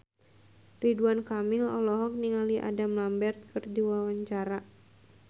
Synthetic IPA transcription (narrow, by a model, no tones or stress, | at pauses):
riduankamilɔlɔɦɔk̚niŋaliʔa̰damlambɛrt̪̚kɨrdiwawaɲt͡ʃaɾa